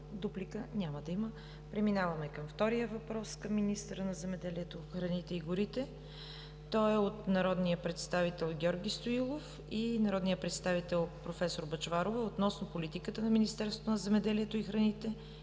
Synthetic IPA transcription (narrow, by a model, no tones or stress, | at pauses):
d̪uplikənʲamɐd̪ɐimə | pɾɛminavɐmɛkəmft̪ɔɾijəvɐpɾɔskəmːinist̪əɾənɐzɛmɛd̪ɛliɛt̪oxɾɐnit̪ɛiɡʊɾit̪ɛ | t̪ɔɛot̪nɐɾɔd̪nijəpɾɛt̪st̪avit̪ɛlˠɡʲɔɾɡʲist̪oilˠof | inɐɾɔd̪nijəpɾɛt̪st̪avit̪ɛlˠpɾofɛsoɾbɐt͡ʃvaɾovəot̪nɔsnopolit̪ikət̪ənɐminist̪ɛɾso̥t̪onɐzɛmɛd̪ɛliɛt̪oixɾɐnit̪ɛ